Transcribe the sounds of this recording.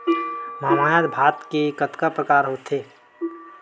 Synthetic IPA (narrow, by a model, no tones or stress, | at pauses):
mamaːjat̪bʱaːt̪kekət̪kapɾəkaːɾɦoːt̪ʰe